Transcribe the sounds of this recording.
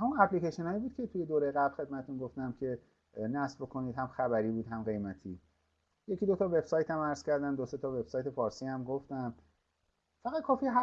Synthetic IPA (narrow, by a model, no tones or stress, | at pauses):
hæmunæpʰlikeʃenɒːjibuːd̪̥̚cʰʲe̞t̪ʰuje̞d̪oːɾejɣæblxe̞d̪̚mæt̪ʰet̪ʰunɡoft̪æmcʰe̞ | næsbbokʰo̞niːd̪hæmxæβæɾiːbuːd̪ɦæmɢe̞jmæt̪ʰḭː | jeciːd̪ot̪ʰɒːve̞b̥sɒːjt̪ʰæmæɾz̥kcʰæɾd̪æmd̪ose̞t̪ʰɒːve̞b̥sɒːjt̪ʰe̞fɒːɾsiːhæmɡoft̪æm | fæɣæd̪̚kʰɒːfiɦæ